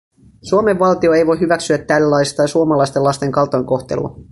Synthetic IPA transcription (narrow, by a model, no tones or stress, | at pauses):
suome̞ʋːɑlt̪io̞e̞jʋojɦyʋæksyæt̪ːælːlːɑjst̪ɑjsuomɑlɑjst̪e̞lːɑst̪e̞ŋkɑlt̪ojŋko̞xt̪e̞̰lṵɑ̰